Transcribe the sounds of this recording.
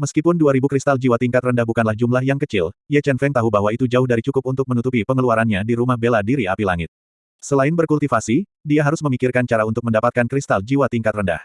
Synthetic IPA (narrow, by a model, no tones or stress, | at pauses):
məskipʊnduaɾibukɾist̪ald͡ʒiwat̪iŋkat̪rəndahbukanlahd͡ʒumlahjaŋkət͡ʃɪlijat͡ʃɛnfɛŋt̪aɦubaɦwait̪ud͡ʒaʊhdaɾit͡ʃukʊp̚unt̪ʊk̚mənut̪upipəŋəluaɾanɲadiɾumahbeladiɾiapilaŋɪt̪̚ | səlaɪnbərkult̪ifasi | diaɦaɾʊsməmikɪrkant͡ʃaɾaunt̪ʊk̚məndapat̪̚kankɾist̪ald͡ʒiwat̪iŋkat̪rənda̰h